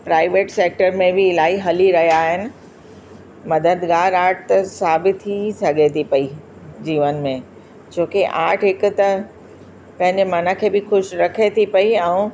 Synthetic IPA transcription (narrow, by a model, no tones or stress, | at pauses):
pɾaːɪʋeːʈseːk̚ʈəɾmẽbɪɪlaːiɦɐliɾɐɦjaːɦɪnɪ̆ | mɐd̪əd̪ɡaːɾaːʈʰt̪ɐsaːbɪt̪ʰːisɐɡet̪ʰipɐi | d͡ʑiːʋənmẽ | d͡ʑoːkeʔaːʈʰɦɪkʊ̆t̪ɐ | pɐ̃ɦɪ̃ɲd͡ʑemɐnə̆kʰeːbɪxʊʃɾɐkʰet̪ʰipɐiɛ̃ũː